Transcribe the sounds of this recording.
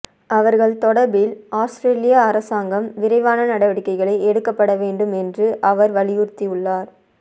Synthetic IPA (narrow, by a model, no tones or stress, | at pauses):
ɐʋɐɾɣɐɭt̪ɔɽɐɾbɪlʔaːsʈɾeːlɪjaːɾɐsaːŋɡɐmʋɪɾɐɪʋaːnɐnɐɽɐʋɐɽɪkːɐɪɣɐɭɐɪɛɽɯkːɐpːɐɽɐʋeːɳɖɯmɛndrɯʔɐʋɐɾʋɐɭɪjʊɾt̪iʊɭːaːɾ